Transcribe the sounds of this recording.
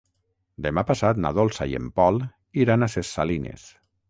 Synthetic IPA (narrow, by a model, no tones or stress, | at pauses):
d̪emapasat̪na̰ðolˠsajḛmpɔl | iɾanasesːalinḛs